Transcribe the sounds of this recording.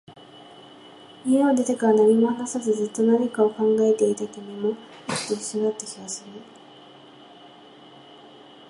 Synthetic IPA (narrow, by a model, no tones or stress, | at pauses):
iead̪e̞t̪ekaɾanaɾʲimoanasazɨzɨt̪ːo̞naɾekao̞kãŋɡae̞t̪e̞it̪at̪ame̞mo̞ | ot̪ːoi̥sjoɡat̪ːe̞kʲimasɨɾɯ